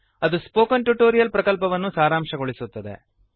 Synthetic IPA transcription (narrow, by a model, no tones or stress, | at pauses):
ɐd̪uspoːkɐnʈuʈoːɾijɐlpɾɐkɐlpɐʋɐnːusaːɾaːmʂɐɡoɭisut̪ːɐd̪e̞̰